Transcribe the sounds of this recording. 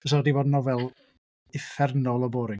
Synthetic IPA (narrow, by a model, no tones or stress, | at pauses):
əs̬ɔdivɔdnɔvɛlˠ | ɪfɛrnɔlˠɔboːɾɪ